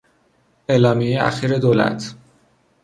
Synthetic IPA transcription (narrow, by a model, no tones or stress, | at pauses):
elɒːmieæ̰xiːɾed̪oːlæ̰t̪ʰ